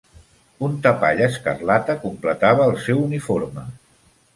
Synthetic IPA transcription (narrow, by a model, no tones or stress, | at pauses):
unt̪əpaʎəskərlat̪əkumplət̪aβəːlˠsɛwunifoɾmə